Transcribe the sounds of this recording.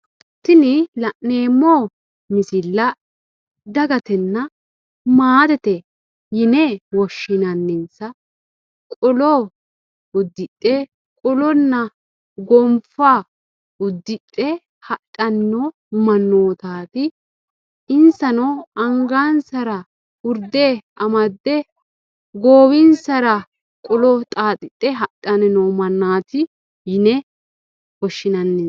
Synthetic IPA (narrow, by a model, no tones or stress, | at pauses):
t̪ːɪnɪlɐʔneːmːoː | mɪsɪlːɐ | d̪ɐɡɐt̪ɛnːɐ | maːd̪ɛt̪ɛ | jɪnɛwɔʃːɪnɐnːɪnsɐ | kʼɔlo | ʊd̪ːɪt̪ʼːɛ | kʼɔlɔnːɐ | ɡɔmfaː | ʊd̪ːɪtʼːɛ | hɐt̪ʼːɐnːo | mɐnːoːt̪aːt̪ɪ | ɪnsɐnɔɐŋɡaːnsɐɾɐ | ʊɾd̪eː | ɐmɐd̪ːɛ | ɡoːwɪnsɐɾɐ | kʼɔlɔt̪ʼaːt̪ʼɪt̪ʼːɛɦɐt̪ʼːɐnɛnɔmɐnːaːt̪ɪ | jɪnɛ | kɔʃːɪnɐnːe